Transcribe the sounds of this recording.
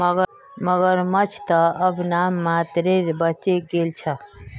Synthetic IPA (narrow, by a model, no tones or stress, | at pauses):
ɡ | məɡəɾmət͡ʃʰt̪əəbnamːat̪ɾeɾbət͡ʃeɡelt͡ʃʰə